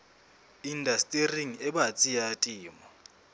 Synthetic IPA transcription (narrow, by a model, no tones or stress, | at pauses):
indʱastʼeriŋɛɓat͡sʼijatʼiːmɔ